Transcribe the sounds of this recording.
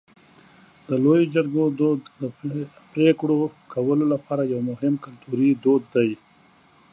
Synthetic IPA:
d̪əlojod͡ʒaɾɡod̪od̪ːə | pɾekɽokʰawəlolapɑɾajawmʊɦɪmkalt̪uɾid̪od̪ːaj

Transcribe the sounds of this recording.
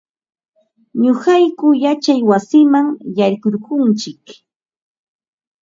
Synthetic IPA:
ɲoɢɑjkʊjat͡ʃajwasɪmaŋjaɾkoɾɢʊnt͡ʃɪk

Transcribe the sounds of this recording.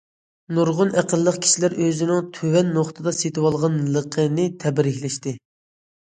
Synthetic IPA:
nuɾʁʊnʔæqəlˠːəqkʲʰi̥ʃilæɾøzɪnɪŋt̪ʰøwɛnːoχt̪ʰɨd̪ɑset̪ɨwɑlˠʁɑnləqʰənɪt̪ʰɛbɾɪçʲlɛʃt̪ɪ

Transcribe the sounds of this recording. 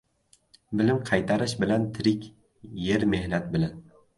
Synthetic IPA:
bɪlɪmqʰɑjt̪ʰaɾɪʃbɪlant̪ʰɪɾɪkʲ | jeɾme̞hnat̪̚bɪlan

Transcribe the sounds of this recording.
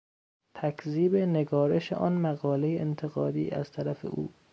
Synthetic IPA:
t̪ʰækʰziːbe̞neɡɒːɾeʃḛʔɒːnmæɣɒːle̞jeent̪ʰeɣɒːd̪iːʔæ̰zt̪ʰæɾæfe̞̰ʔṵː

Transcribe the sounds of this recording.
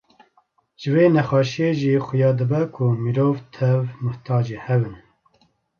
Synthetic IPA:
ʒ̥ɨveːnɛxɑːʃieʒiːxʊjɑːd̪ɨbɛkʰumiɾoːvt̪ʰɛvmʊht̪ʰɑːd͡ʒehɛbɨn

